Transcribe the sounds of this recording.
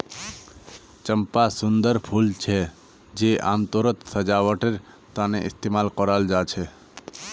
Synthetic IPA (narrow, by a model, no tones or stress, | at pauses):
t͡ʃəmpasʊnd̪əɾpʰult͡ʃʰe | d͡ʒeʔãːmt̪oːɾət̪səd͡ʒaʋəʈeɾ | t̪ãːnḛʔɪ̰st̪emaːlkɔɾald͡ʒat͡ʃʰe